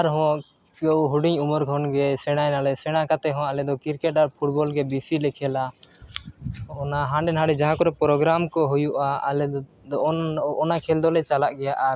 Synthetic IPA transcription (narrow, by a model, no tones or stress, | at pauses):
aɾɦɔ̃ | ɔɦuɖiɲumɔɾɡʱɔnɡɛsɛɽ̃ajnalɛsɛɽ̃akat̪ɛɦɔ̃alɛd̪ɔkiɾkɛʈ̚aɾpʰuʈ̚bɔlɡɛbisilɛkʰɛla | ɔnaɦãɳɖɛnɦãɽɛd͡ʒaɦãkɔɾɛpɾɔɡɾamkɔɦujuʔaa̰lɛ | d̪ɔɔnakʰɛld̪ɔlɛt͡ʃalaʔɡɛjaʔa